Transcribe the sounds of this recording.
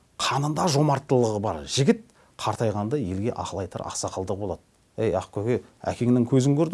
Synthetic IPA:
qʰɑnənd̪ɑʒo̞mɑɾt̪ːəlˠəʁəbɑ̰ɾʒ̥ɪɡʲɪt̪̚ | qʰɑɾt̪ɑjʁɑnd̪ɑje̞lɡʲe̞̰ʔɑqlˠɑjt̪ʰə̰ɾɑ̰qsɑqəlˠd̪əq̚bo̞lˠɑd̪̥ə | ejɑqkʲʰɵkʲe | æ̰kʲe̞ŋɪnɪŋkʲʰɵzɪŋkʲʰɵɾd̪ɪ

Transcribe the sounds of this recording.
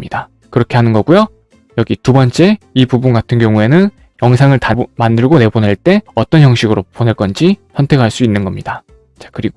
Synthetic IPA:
ɲida | kɯɾʌkʰe̞ɦanɯnɡʌɡujo | jʌɡitubʌnt͡ɕ͈e̞ipubunɡatʰɯnɡjʌŋue̞nɯn | jʌŋs̬ʰaŋɯɭtamandɯɭɡone̞boneɭt͈e̞ʌt͈ʌnçjʌŋɕʰiɡɯɾopone̞ɭk͈ʌnd͡ʑisʰʌntʰe̞kʰaɭs͈uinːɯnɡʌmɲida | t͡ɕḁkɯɾiɡo

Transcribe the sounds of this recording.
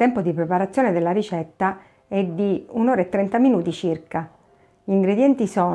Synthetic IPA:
t̪ɛmpod̪ipɾepaɾat̪sːjoːned̪elːaɾit͡ʃɛt̪ːa | ɛd̪ːiunoːɾaet̪ːɾɛnt̪aminuːt̪it͡ʃirka | ʎiŋɡɾed̪jɛnt̪isɔː

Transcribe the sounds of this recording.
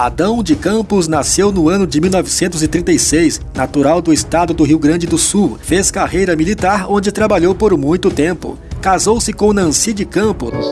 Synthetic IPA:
ad̪ɐ̃w̃d͡ʒɪkɐ̃pʊz̬nasewnʊɐ̃nʊd͡ʒɪmiwnɔvɪsẽnt̪ʊzɪt̪ɾĩnt̪ejsejsnat̪uɾawd̪ʊɪst̪ad̪ʊd̪ʊɦiwɡɾɐ̃nd͡ʒɪd̪ʊsuwfeskaɦejɾɐmilit̪aɾõnd͡ʒɪt̪ɾabaʎowpoɾmũj̃t̪ʊt̪ẽmpʊ̰ | kazowsɪkõnɐ̃sid͡ʒɪkɐ̃pʊ

